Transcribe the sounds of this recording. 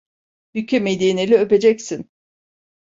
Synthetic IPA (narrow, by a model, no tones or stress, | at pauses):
hycʰɛmed̪enelʲiøpe̞d͡ʒɛcsin